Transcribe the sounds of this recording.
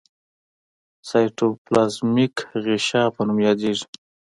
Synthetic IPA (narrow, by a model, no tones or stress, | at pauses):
sɑjʈoplɑsmikɣiʃɑpənumjɑd̪eʐi̥